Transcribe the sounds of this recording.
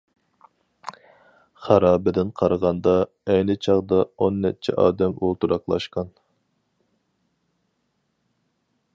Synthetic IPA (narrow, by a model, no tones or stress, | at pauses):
χæɾɑːbɪd̪ɪnqʰɑɾʁɑnd̪ɑ | ɛjnɪt͡ʃʰɑʁd̪ɑonːɛt͡ʃʰɛ̰ʔɑ̰ːd̪ɛmolˠt̪uɾɑqlˠɑ̰ʃqɑn